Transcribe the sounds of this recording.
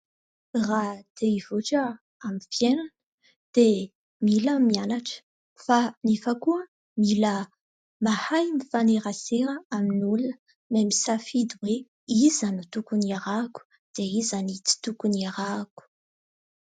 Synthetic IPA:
rad̪̥eivoʈ͡ʂə | amifjenanə | d̪̥e | miləmianaʈ͡ʂə̥ | fanifəkuə | milə | mahajmifaneɾaseɾəaminulə | memisafid̪uwe | izanut̪ukuniaɾaku̥ | d̪̥eizanit͡si̥t̪ukuniaɾaku̥

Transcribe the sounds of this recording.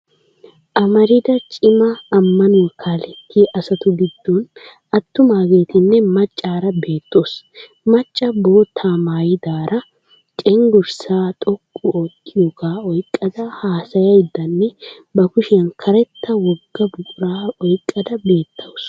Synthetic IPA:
ʔɐmɐɾɪd̪ɐt͡ʃʼɪmɐːmːɐnukʰaːlɛt̪ʰːiʔɐsɐt̪ʊɡɪd̪̥ːoːnʔɐt̪ːʊmaːɡeːt̪ɪnːɛmɐt͡ʃʼːaːɾɐbe̞ːt̪ːoːs | mɐt͡ʃʼːɐboːt̪ʰaːmaːjɪd̪aːɾɐ | t͡ʃʼɛŋɡʊɾsaːt̪ʼɔkʼːʊoːkʼːɪjokaːɔjkʼːɐd̪ɐhaːsɐjɐjd̪ːɐnːɛ | bɐkʊʃɪjɐnkʰɐɾɛt̪ːɐwɔɡːɐbʊkʼʊɾaːɔjkʼːɐd̪ɐbe̞ːt̪ʰːɐws

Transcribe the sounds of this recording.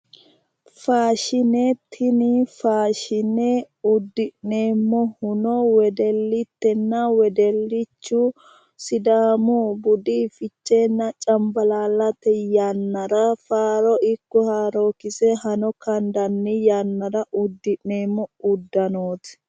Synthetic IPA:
faːʃɪnɛt̪ʰːɪnɪfaːʃɪnɛ | ʊd̪ːɪʔneːmːɔhʊnɔwɛd̪ɛlːɪt̪ːɛnːɐwɛd̪ɛlːɪt͡ʃːu | sɪd̪aːmubʊd̪ifɪt͡ʃːeːnːɐt͡ʃʼɐmbɐlaːlːɐt̪ɛjanːɐɾɐfaːɾɔʔɪkːɔhaːɾoːkɪsɛhɐnɔkɐnd̪ɐnːɪjanːɐɾɐʔʊd̪ːɪʔneːmːɔʊd̪ːɐnoːt̪

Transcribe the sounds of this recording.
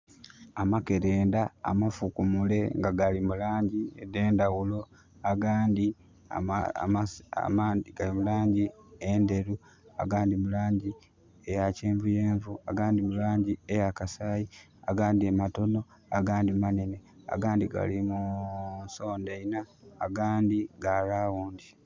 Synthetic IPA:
amake̞ɾe̞ːnda̰ːmafukumule̞ŋɡaɡalimulaːɲɟiḛdeːndawulo̞ | aɡaːndḭ | maːndiɡalimulaːɲɟiende̞ɾu | a̰ɡaːndimulaːɲɟi | ejaceːɱvujeːɱvua̰ɡaːndimulaːɲɟiejakasaːji | aɡaːndiemato̞no̞ | aɡaːndimanene̞a̰ɡaːndiɡa̰limuso̞ːndeinaːɡaːndiɡalaːwuːndi

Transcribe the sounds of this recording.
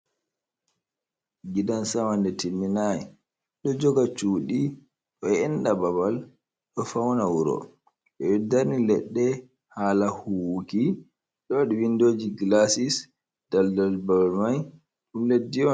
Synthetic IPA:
ɡidansawandɛtilːinajɛ | ɗɔd͡ʒɔɡat͡ʃuːɗi | ɗɔɛnɗababal | ɗɔfawnawuɾɔ̰ | ɗɔɛdaɾnilɛɗːɛ | haːlahuwki | ɗɔɗiwindoːd͡ʒiɡlasis | d̥aldalbabalmaj | ɗumledːiɔ

